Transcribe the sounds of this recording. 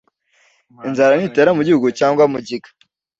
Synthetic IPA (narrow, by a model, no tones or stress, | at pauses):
inzaɾaniteɾamuɟihuɡucaːŋɡwamuɟiɡḁ